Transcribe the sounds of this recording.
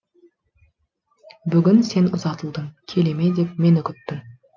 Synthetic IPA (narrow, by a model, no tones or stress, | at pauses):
bʏɡʲɪnse̞nʊzɑt̪əlˠd̪əmkʲʰe̞le̞me̞d̪e̞p̚me̞nʏkʲɪt̪ːɪm